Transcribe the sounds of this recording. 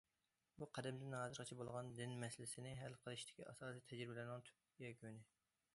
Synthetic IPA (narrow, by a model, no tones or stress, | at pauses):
buqʰɛd̪ɛmd̪ɪnɑːzɨɾʁɑt͡ʃʰɛbolˠʁɑnd̪ɪnmɛsɪlɪsɪnɪɦælqʰəlˠɨʃt̪ʰɪ̥kʲːiɑsɑːsijt̪ʰɛd͡ʒɾɪbɪlænɪŋt̪ʰy̥p̚ | jɛkʲønɪ